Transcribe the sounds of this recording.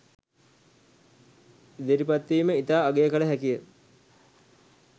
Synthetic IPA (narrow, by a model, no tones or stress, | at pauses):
d̪eɾipat̪ːiːməit̪aːɡejəkələɦækijə